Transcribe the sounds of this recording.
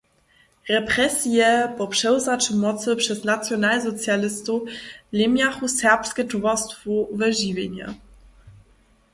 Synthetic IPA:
ʁɛpɾɛsijɛpɔpʂɛwzat͡ʃəmɔt͡s̪əpʂɛsnat̪t͡sjɔnalzɔt͡sjalɪst̪ulemjaxusɛʁpskɛtuvast̪fuuvɛʒivʲjɛɲa̰

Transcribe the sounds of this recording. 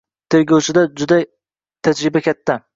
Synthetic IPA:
t̪ʰeɾɡʲawt͡ʃʰɪd̪ad͡ʒʊd̪a | t̪ʰad͡ʒɾɪbakʲʰat̪ʰːa

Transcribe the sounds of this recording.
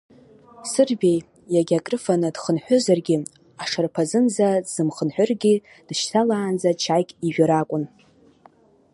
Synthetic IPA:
sɨrbʲe̞j | jaɡʲakʼrɨfanɨdχənħʷᶣʊzarɡʲɪ | aʂarpʰazɨnzaz̥ɨmχənħʷᶣʊrɡʲi | d̥ʃtʰalaːnd͡zat͡ʃʰajkʲʼiʒᶣʷaɾakʷʼʊn

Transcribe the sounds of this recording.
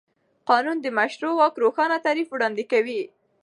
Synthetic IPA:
qɑnund̪əmaʃɾowɑkɾoxɑnat̪aɾifwɽɑnd̪ɪkawi

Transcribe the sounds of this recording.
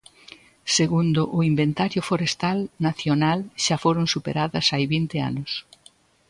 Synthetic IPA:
seɣund̪ʊʔʊimbent̪aɾjʊfoɾest̪alnaθjonalʃafoɾoŋsupḛɾaðɐsajβint̪ɪa̰nʊs

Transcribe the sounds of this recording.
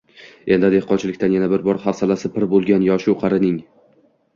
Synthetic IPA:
end̪ɪd̪ehqɒnt͡ʃʰɪlɪkʲt̪anjanabɪɾbɒɾχaɾsalasɪpʰɪɾbolˠɡʲanjɒʃʊqʰɑɾɪnɪŋ

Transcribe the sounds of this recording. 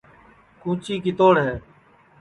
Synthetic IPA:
kũːt͡ʃiːkɪt̪oːɳɦɛː

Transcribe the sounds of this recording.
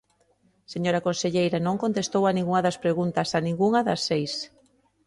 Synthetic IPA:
seɲoɾɐkõnseʎejɾɐnõŋkont̪est̪owɐnĩŋɡuŋɐðɐspɾeɣunt̪ɐsanĩŋɡuŋɐðɐsːejs

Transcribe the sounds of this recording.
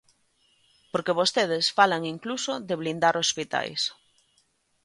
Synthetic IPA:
poɾkeβ̞ost̪eð̞esfalaŋiŋklusoðeβlind̪aɾospit̪a̰js

